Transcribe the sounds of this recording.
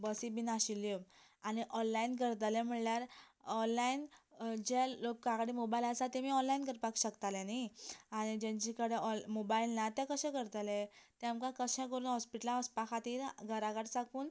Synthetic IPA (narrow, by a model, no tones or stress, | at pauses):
bəsibinaɕiljo | aniʔɔnːainkəɾt̪̬alɛ̃m̤əɳljaɾɔnːaind͡ʑɛlokːãkɽimobailasat̪ɛmiːɔnlainkəɾpakɕəkt̪alɛ̃niaɽ̃id͡ʑɛ̃t͡ɕikəɽeɔmobailnat̪ɛ̃kəɕɛ̃kəɾt̪alɛ̃t̪amkãkəɕɛ̃kəɾuːnɦɔspiʈlãɔspakʰat̪iːɾɡʱəɾakaʈt͡sakuːn